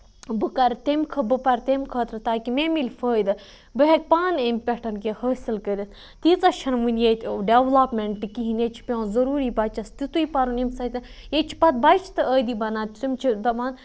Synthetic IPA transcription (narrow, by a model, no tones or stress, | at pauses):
bɨkɐɾt̪emkʰɐbɨpɐɾʲt̪emkʰəːt̪ɾɨt̪aːkimemilfəːjd̪ɨ | bɨɦek̚ʲpaːnempʲeʈʰɐnkehəːsilkəd̪ʲit̪ | t̪it͡sɐʃʰɐnmunʲjet̪ʲɖeʋlaːpmeɳʈɨkiɦinet͡ʃʰi̥pʲõːzɐɾuːɾiːbɐt͡ʃɐst̪it̪uipɐɾunimsɐt̪ɐjet͡ʃʰi̥pɐt̪̚bɐjt͡ʃʰi̥t̪ɨəːd̪ibɐnaːt̪ʰʲt̪ɨmt͡ʃʰid̪ɐmaːn